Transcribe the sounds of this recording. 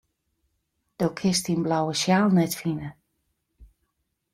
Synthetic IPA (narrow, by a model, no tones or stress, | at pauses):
d̥oːkʰɪstinblawəʃjaːlˠnɛtfinə